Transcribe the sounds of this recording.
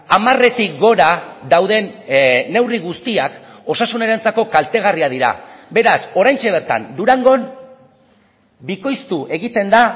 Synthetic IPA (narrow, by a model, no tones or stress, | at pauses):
amare̞t̪ikɡo̞ɾaðawðe̞nːe̞wriɣ̞ust̪iak | o̞sasuneɾant͡sako̞kalt̪e̞ɣariað̞iɾa̰be̞ɾaso̞ɾajnt͡ʃe̞β̞e̞ɾt̪a̰nd̪uɾaŋɡo̞n | biko̞jst̪uʔe̞ɣit̪e̞nd̪a